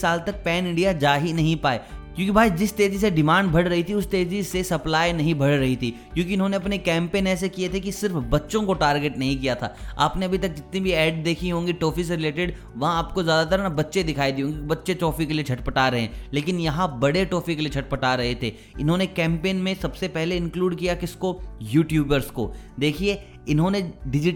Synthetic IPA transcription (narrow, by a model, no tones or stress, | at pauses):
saːlt̪ɐk̚pɛːnɪ̃ɳɖijad͡ʒaːɦinɐɦĩpaːekjõːkibʱaːid͡ʒɪst̪eːd͡ʒiseɖɪmãːɳɖbʱɐɽɾɐɦit̪ʰiʊst̪eːd͡ʒisesɐplaːjnɐɦĩbʱɐɽ̤ɾɐɦit̪ʰikjõːkiɪnɦõneɐpnekɛ̃ːmpeːnɛːs̬ekiet̪ʰekisɪɾfbɐtːʃõkoʈaːɾɡeʈnɐɦĩk̬ijat̪ʰa̰ːa̰ːpneɐbʱit̪ɐk̚d͡ʒɪt̪nibʱiɛːɖd̪eːkʰiɦõːŋɡiʈoːfis̬ɾɪleːʈɪɖ | ʋɐɦãaːpkozjaːd̪at̪əɾnabɐtːʃed̪ɪkʰaːid̪iɦõːŋɡibɐtːʃet͡ʃɔːfikeliet͡ʃʰɐʈpɐʈaɾɐɦḛ̃ːleːkɪnjɐɦãbɐɽeʈoːfikeliet͡ʃʰɐʈ̚pɐʈaɾɐɦet̪ʰeː | ɪnɦõːnekɛ̃ːmpeːnmẽsɐbsepɛɦleɪ̃nkluːɖkijakɪskojuːʈjuːbəɾsko̰d̪eːkʰie | ɪnɦõːneɖɪd͡ʒɪ